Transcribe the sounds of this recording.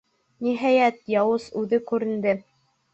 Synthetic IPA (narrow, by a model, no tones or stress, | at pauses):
niɦæjæt̪jɑwɤsʉðɘkʉɾɘ̆nd̪ɘ